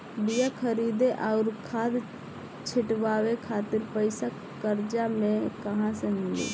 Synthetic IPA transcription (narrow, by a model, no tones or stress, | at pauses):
bijakʰəɾid̪eʔaʊɾkʰaːd̪ | t͡ʃʰɪʈʋaːwekʰaːt̪ɪɾpəɪsa | kəɾd͡ʒamẽkəɦãseɦʊ̃ɡḛ